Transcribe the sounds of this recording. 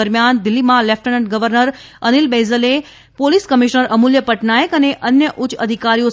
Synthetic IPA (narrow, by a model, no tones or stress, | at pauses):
əɾmjand̪ɪlːimãlɛfʰʈənəɳʈ̚ɡəʋəɾnəɾ | ənilbezəle | poliskəmiʃnəɾʔəmuljəpəʈnajəkəneʔənjəʔʊt͡ʃəd̪ʱikaɾijo